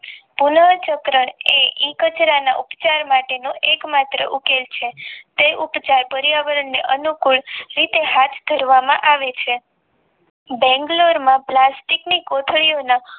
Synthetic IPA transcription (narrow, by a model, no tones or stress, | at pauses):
punət͡ʃəkɾəɳeĩkət͡ʃɾanaʔupt͡ʃaɾmaʈenõʔekmat̪ɾə̰ʔukelt͡ʃʰet̪eʔupt͡ʃaɾpəɾjaʋəɾəɳneʔənukuɭɾit̪ehat̪ʰd̪ʱəɾʋamãʔaʋet͡ʃʰe | bɛ̃ŋɡloɾmãplasʈiknikot̪ʰɭijona